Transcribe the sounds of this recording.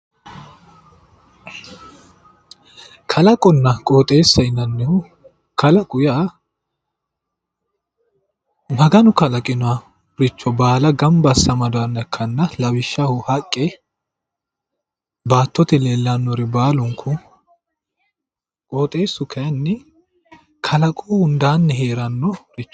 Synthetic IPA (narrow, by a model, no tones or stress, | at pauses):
kʰɐlɐkʼɔnːɐkʼoːt̪ʼe̞ːsːɐɪnɐnːɪhʊ | kʰɐlɐkʼʊjaː | mɐɡɐnʊkɐlɐkʼɪnʊa | ɾɪt͡ʃːɔbaːlɐɡɐmbɐsːɐmɐd̪ʊɐnːɐkʰːɐnːɐlɐwɪʃːɐhʊhɐkʼːɛ | baːt̪ːɔt̪ɛleːlːɐnːɔɾɪbaːlʊŋkʰʊ | kʼoːt̪ʼe̞ːsːʊkʰɐnːɛ | kʰɐlɐkʼuːhʊnd̪aːnːɛhe̞ːɾɐnːɔɾɪt͡ʃːɔ̥